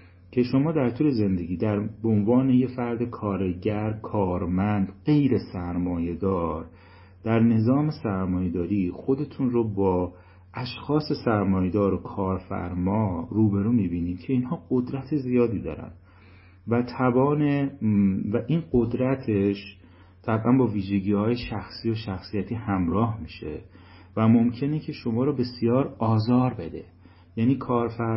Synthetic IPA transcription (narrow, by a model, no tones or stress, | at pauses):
cʰe̞ʃo̞mɒːd̪æɾt̪ʰuːle̞ze̞nd̪e̞ɟiːd̪æɾbeonvɒːneje̞fæɾd̪e̞kʰɒːɾe̞ɟæɾkʰɒːɾmænd̪ɢe̞jɾe̞sæɾmɒːje̞d̪ɒːɾ | d̪̥æɾne̞zɒːme̞sæɾmɒːjed̪ɒːɾiːxo̞d̪e̞t̪ʰuːnrobɒː | ʔæʃxɒːse̞sæɾmɒːjed̪ɒːɾokʰɒːɾfæ̰ɾmɒːruːbe̞ɾuːmiːbiːniːd̪̥cʰe̞inhɒːɢo̞d̪ɾæt̪ʰe̞zijɒːd̪iːd̪ɒ̰ːɾæ̰n | væt̪ʰæbɒːne | væʔiːnɢo̞d̪ɾæt̪ʰe̞ʃ | t̪ʰæbʔænbɒːviːʒe̞ɟiːhɒːje̞ʃæxsiːoʃæxsijæt̪ʰiːhæmɾɒːɦmiːʃe̞̰ | væmo̞mcʰe̞necʰe̞ʃo̞mɒːɾɔːbe̞sijɒːɾɒːzɒːɾbe̞d̪e̞̰ | jæniːkʰɒːɾfæ